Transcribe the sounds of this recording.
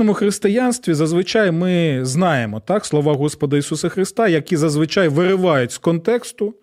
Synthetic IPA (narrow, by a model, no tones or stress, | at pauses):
ɔmʊxɾɪst̪ɪjɑnst̪ʋʲizɐzʋɪt͡ʃɑjmɪznɑjemɔt̪ɑkslˠɔʋɑɦɔspɔd̪ɐisusɐxɾɪst̪ɑjɐkʲizɐzʋɪt͡ʃɑjʋɪɾɪʋɑjʊtʲskɔnt̪ɛkst̪ʊ